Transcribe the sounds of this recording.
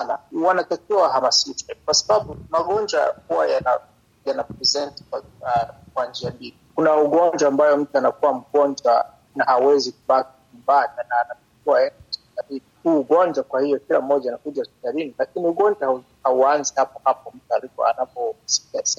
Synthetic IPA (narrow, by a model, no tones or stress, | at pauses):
ana̰wanatakiwawhamasitɛkwasaɓaɓumaɠɔnd͡ʒwa̰huwajana | janapɾɛzɛntkwa | kwand͡ʒiamilikunauɠɔɲd͡ʒwaːmbajɔm̩tuanakuwam̩ɡɔnd͡ʒwa | nahawɛzik̚uɓak̚iɲumbananaːnatak̚iwaɛndasp̚i̥kaɾinihuːɠɔnd͡ʒwakwahijɔkilam̩ːɔʄaːnakuʄaspi̥taɾinilakiniuɠɔnd͡ʒwah | hauanzihapɔhapɔm̩tualikɔ̰a̰napɔsi̥kas